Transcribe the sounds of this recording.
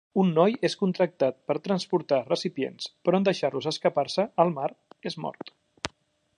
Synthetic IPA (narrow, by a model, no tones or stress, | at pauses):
unːɔjeskunt̪ɾək̚t̪at̪̚pəɾt̪ɾənspuɾt̪arəsipjḛnspɾɔənd̪əʃarluzəskəparsəəlˠmaɾezmɔ̰ɾt̪